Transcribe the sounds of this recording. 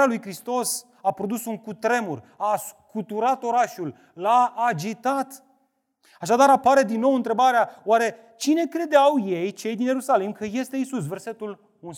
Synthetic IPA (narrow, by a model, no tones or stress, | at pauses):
alujkɾist̪o̞s | apɾo̞d̪usuŋkut̪ɾe̞muraskut̪uɾat̪o̞ɾaʃul | laːd͡ʒit̪at̪ | aʃad̪aɾapaɾe̞d̪inːo̞wɨnt̪ɾe̞baɾeaoaɾe̞ | t͡ʃine̞kɾe̞d̪eawje̞jt͡ʃe̞jd̪inje̞ɾusalimkəje̞st̪e̞isus̬ve̞rse̞t̪ul | uns